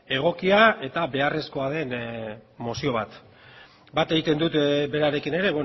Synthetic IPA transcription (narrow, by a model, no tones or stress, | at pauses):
e̞ɣ̞o̞kiae̞t̪aβe̞are̞sko̞að̞e̞nmo̞sio̞β̞at̪ | bat̪eɣit̪e̞nd̪ut̪be̞ɾaɾe̞kine̞ɾe̞βe